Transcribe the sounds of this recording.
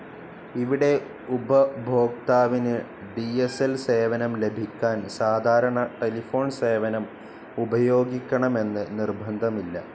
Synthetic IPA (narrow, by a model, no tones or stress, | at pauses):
iʋiɽe̞ | ubɐbʱo̞ːk̚t̪aːʋinɨ | ɖieselse̞ːʋɐnɐmle̞bʱikʲːaːnsaːd̪ʱaːɾɐɳɐʈe̞lifo̞ːɳse̞ːʋɐnɐm | ubɐjo̞ːɡikʲːɐɳɐme̞nːɨnirbʱɐnd̪ʱɐmilːɐ̰